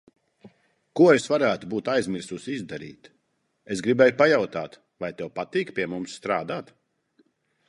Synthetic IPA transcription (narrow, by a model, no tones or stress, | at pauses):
kuɔesvaɾæːt̪ubuːt̪ajzmiɾsusizd̪aɾḭːt̪ | es̬ɡɾibɛjupajawt̪aːt̪ | vajt̪ɛwpat̪iːkpʲiɛmumsːt̪ɾaːd̪aːt̪